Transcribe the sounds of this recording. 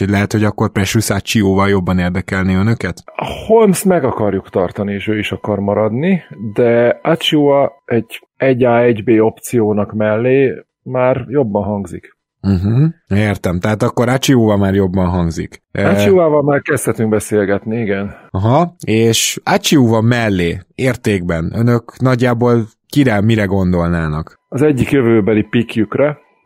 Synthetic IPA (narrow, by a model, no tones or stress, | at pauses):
oɟlɛɦɛt̪ho̞ɟɒkːo̞rprɛʃysat͡ʃioːvɒljo̞bːɒneːrd̪ɛkɛlneːønø̞kɛt̪holmst̪mɛɡɒkɒrjukt̪ɒrt̪ɒnieːʃøːiʃɒkɒrmɒɾɒd̪nid̪ɛat͡ʃioːvɒɛɟ | ɛɟaːɛɟbeːo̞pt̪sijoːnɒkmɛlːeː | maːrjo̞bːɒnɦɒŋɡzḭk | m̩ɦm̩eːrt̪ɛmt̪ɛɦaːt̪ɒkːo̞ɾat͡ʃiuːvɒmaːrjo̞bːɒnɦɒŋɡzḭkat͡ʃiuvaːvɒlmaːrkɛst̪hɛt̪yŋɡ̚bɛseːlɡɛt̪niiɡɛnɒɦɒeːʃat͡ʃiuvɒmɛlːeːeːrt̪eːɡbɛnø̞nø̞knɒɟːaːboːl | kiɾɛmiɾɛɡo̞nd̪o̞lnaːnɒk | ɒzɛɟːikjøvøːbɛlipikjykrɛ